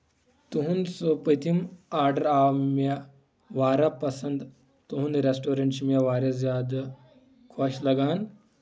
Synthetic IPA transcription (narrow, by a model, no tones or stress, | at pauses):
t̪uɦũnsopət̪imaːɾɖəɾamja | ʋaːɾapɐsɐnd̪ | t̪uɦũːnɾesʈoːɾeɳʈɕimjaʋaːɾesjaːd̪ | kʰaɕlɐɡaːn